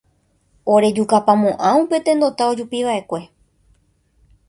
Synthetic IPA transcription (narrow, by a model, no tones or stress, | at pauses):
oɾe̞d͡ʒukapamõʔãupe̞t̪ẽ̞nd̪ot̪ao̞d͡ʒupiʋaʔe̞kʷe̞